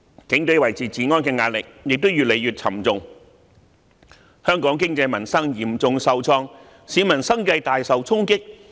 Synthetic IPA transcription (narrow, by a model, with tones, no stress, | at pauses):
kɪ˨˥ŋt̪ɵ˨˥ɥwɐ˨˩jt͡siː˨t͡siː˨˥ŋɔː˥nkɛː˧ŋaː˧n̚lɪ˨k̚jɪ˨k̚t̪wjyː˨t̚le˨˩jɥyː˨˩t̚t͡sʰɐ˨˩mt͡sʊ˨ŋ | hœː˥ŋkɔː˨˥ŋk̬ɪ˥ŋt͡sɐ˧jmɐ˨˩nsɐ˥ŋjiː˨˩mt͡sʊ˨ŋsɐ˨wt͡sʰɔː˧ŋ | siː˨˧mɐ˨˩nsɐ˥ŋkɐ˧jt̪aː˨jsɐ˨wt͡sʰʊ˥ŋkɪ˥k̚